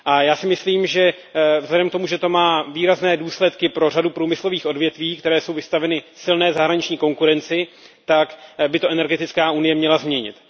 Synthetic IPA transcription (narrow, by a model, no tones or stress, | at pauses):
ʔajaːsɪmɪsliːmʒɛ | vzɦlɛdɛmkt̪o̞muʒɛt̪o̞maːviːɾaznɛːduːslɛt̪kɪpɾo̞radupɾuːmɪslo̞viːxo̞dvjɛt̪viːk̚t̪ɛɾɛːso̞wvɪst̪avɛnɪsɪlnɛːzaɦɾaɲɪt͡ʃɲiːko̞ŋkuɾɛnt͡sɪ | t̪akbɪt̪o̞ʔɛnɛɾɡɛt̪ɪt͡skaːunɪjɛmɲɛlazmɲɛɲɪ̰t̪